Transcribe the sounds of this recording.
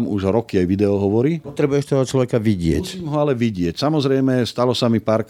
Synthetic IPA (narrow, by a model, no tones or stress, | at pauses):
muʒɾɔkiajʋid̪ɛɔɦɔʋɔɾipɔt̪ɾɛbujɛʃt̪ɔɦɔt͡ʃlɔʋɛkaʋiɟɪɛ̰cmɦɔalɛʋiɟɪɛcsamɔzɾɛjmɛst̪alɔsamipaːɾk